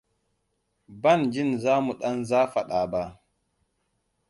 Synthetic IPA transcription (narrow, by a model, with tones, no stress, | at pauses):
ba˦nd͡ʒɪ˦nzaː˦mu˨ɗa˦nzaː˦fa˨ɗaː˨ba˨